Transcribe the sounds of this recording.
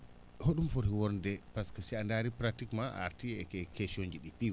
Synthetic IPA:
hoɗumfoɾhiwɔɾndɛpaskasiandaɾipɾatikmaa̰ɾtiɛkɛkeʃoɲd͡ʒiɗipi

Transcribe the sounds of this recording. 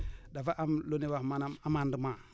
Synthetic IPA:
davaʔamloniwamanaamanduma

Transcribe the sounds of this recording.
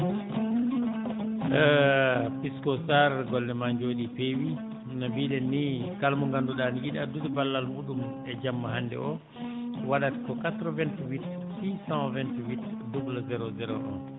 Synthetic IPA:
piskɔsaɾɡɔldɛmaɲd͡ʒoːɗipewi | nabiːɗɛnːikalmɔŋɡanduɗaniɡiɗadutɛbalːalmuːɗum | ɛd͡ʒamːaɦandɛ̰ʔɔ | waɗatkɔkatɾɔvɛntwit | sisãvɛntwitdubulazɛɾozɛɾɔ̰ʔɔ̰n

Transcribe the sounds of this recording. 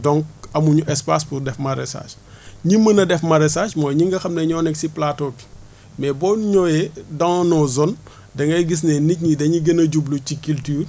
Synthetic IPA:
dɔŋk̚ɐmuɲuʔɛspaːspurdɛfmɐɾɛ̰sa̰ʃ | ɲimːɐnɐdɛfmɐɾɛsaʃmɔːjɲiŋɡɐxɐmnɐɲɔnɛksiplatɔpi̥ | mɛbɔnɲɔjɛdɐŋnɔzɔn | dɐŋɡɐjɡis̬nɛnic̚ɲidɐɲiɡenɐɟublucikiltiːr

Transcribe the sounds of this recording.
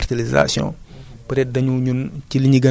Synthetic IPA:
rtɐliza̰sjɔ̰̃pɾɛt̚dɐɲuɲunciliɲiɡɐ

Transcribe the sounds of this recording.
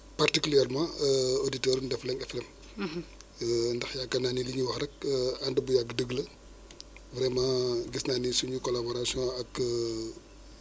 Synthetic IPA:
partikyliɛrmãoditɛːɾundɛflɛŋɛflɛm | ndɐxjaɡɐnaːniliɲuwɐxɾɐk̚ɐndəbujaɡədəɡlɐ | vɾɛmãɡisnanisuɲukɔlabɔɾasijɔ̃ɐk

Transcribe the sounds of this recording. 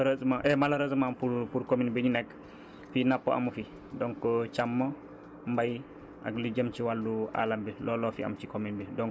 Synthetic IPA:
ɾəsmaʔɛmalaɾəsmampupuɾkominbiɲinɛkː | finapːoʔa̰mufi | dɔŋkɔt͡ʃamːo | mbaj | ʔa̰klid͡ʒəmt͡ʃiwalːua̰lambillɔːlɔfia̰mt͡ʃikominbildɔŋ

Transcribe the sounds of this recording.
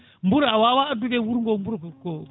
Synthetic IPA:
mbuɾawawaadukewuɾŋɡɔmbuɾkkɔ

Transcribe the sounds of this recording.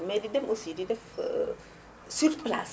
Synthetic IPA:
mɛːdidɛmʔosididɛf | syrpla̰s

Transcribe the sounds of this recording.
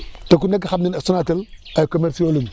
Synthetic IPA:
takunakaxabninasunatilajkomeɾsiolin

